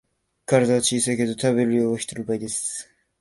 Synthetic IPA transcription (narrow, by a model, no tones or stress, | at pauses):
kaɾad̪aat͡ɕiːsejked̪o̞t̪ʰaβe̞ɾɯjoːoɕi̥t̪eɾɯbaid̪e̞sɨ̥